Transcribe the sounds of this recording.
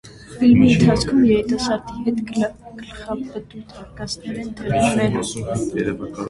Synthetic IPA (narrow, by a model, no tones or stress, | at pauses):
filmiənt̪ʰat͡skʰumjɛɾit̪ʼasaɾt̪ihɛt̪ɡ̥əlχapːəd̪ut̪ʰaɾkʼasnɛɾɛnd̪ʰɛɾunɛn